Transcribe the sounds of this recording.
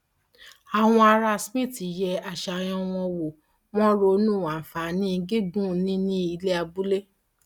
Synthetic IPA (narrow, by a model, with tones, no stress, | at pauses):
a˨w̃ɔ̃˧a˧ɾa˧smĩ˦˨ti˨jɛ˧a˨ʃa˨j̃ɔ̃˧w̃ɔ̃˧wo˨ | w̃ɔ̃˦ɾo˧˦nũ˦˨wa˨fa˨˦nĩ˦i˧ɡe˦ɡũ˦˨nĩ˦nĩ˦i˧le˦a˧bu˦le˦